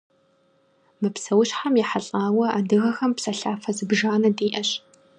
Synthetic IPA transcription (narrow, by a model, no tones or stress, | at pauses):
mɨpsɐwɕħamjiħaɬʼaːwɐa̰ːdɨɣɐxɐmpsɐɬaːfɐzɨbʒaːnɐdiːʔɐɕ